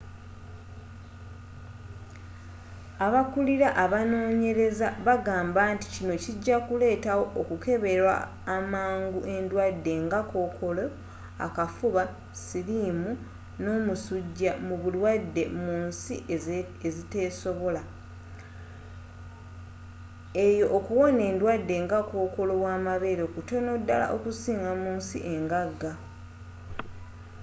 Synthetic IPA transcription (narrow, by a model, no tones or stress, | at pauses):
aβakuliɾaʔaβano̞ːɲe̞ɾe̞zaβaɡaːmbanti̥cino̞ciɟːakule̞ːtawo̞ʔokuke̞βe̞ɾwa̰ː | maːŋɡuʔe̞ndwadːe̞ŋɡako̞ːkʰo̞lo | a̰kafuβa | siɾiːmu | no̞ːmusuɟːamuβulwadːe̞̰muːnsi | ezite̞ːso̞βo̞la | e̞jo̞ʔːkuwo̞ne̞ːndwadːe̞ŋɡako̞ːko̞lo̞waːmaβe̞ɾokuto̞no̞dːala̰ʔokusiːŋɡamuːnsḭʔe̞ŋɡaɡa